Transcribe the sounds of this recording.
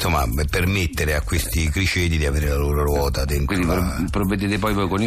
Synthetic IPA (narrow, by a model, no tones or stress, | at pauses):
somːa̰permet̪ːeɾeakːwest̪ikɾit͡ʃed̪id̪iaveːɾeɾelaloːɾoɾwɔːt̪ad̪ɛnid̪ipɾpɾoved̪et̪epɔjpɔjkoni